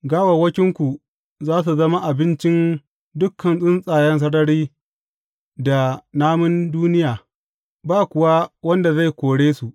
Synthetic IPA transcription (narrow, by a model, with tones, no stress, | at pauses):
ɡaː˦wɐ˨wɐ˦kʲɪ˦ŋkʷu˨ | zaː˦s̬u˨zɐ˦ma˦ʔa˨bɪ˦nt͡ʃɪ˦n | dʊ˦kʰːɐ˨nsʼɪ˦nsʼaː˨jɛ˦ns̬ɐ˦ɽɐ˦ɽiː˦ | da˨naː˦mɪ˦nduː˦nɪ˦jaː˨ | baː˦kʷʊ˨wa˦wɐ˦nda˨za˦˨jkʷoː˨ɽeː˦su˨ʔ